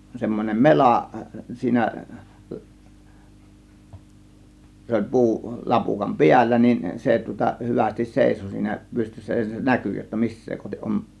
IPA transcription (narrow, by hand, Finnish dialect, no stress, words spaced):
semːonʲem melɑˑ siːnæ se olʲ pu̞u lɑpukɑm piælːæ niːn se tŭŏtɑ hyʋæstis seˑiso siːnæ pystysːæ jɑ se næky jotːɑ misːeː kohtiʔ ʔom